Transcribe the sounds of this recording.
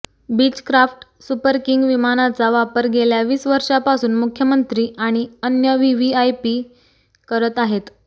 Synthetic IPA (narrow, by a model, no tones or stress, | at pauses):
bid͡ʑkɾafʈ | supəɾkiŋɡʋimanat͡saʋapəɾɡeljaʋiːsʋəɾʂapasuːnmukʰjəmənt̪ɾiːaɽ̃iənjəʋiʋiajpiː | kəɾət̪aɦet̪